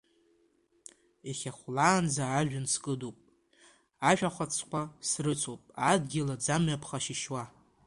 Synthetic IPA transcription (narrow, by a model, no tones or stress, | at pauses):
eχʲaχʷlaːnd͡zaːʒᶣʊnskʼɨdopʼ | aʃᶣaχʷat͡sʰkʷasrɨt͡sʰopʼadɡʲɪlad͡zamɥapʰχaʃiʃwa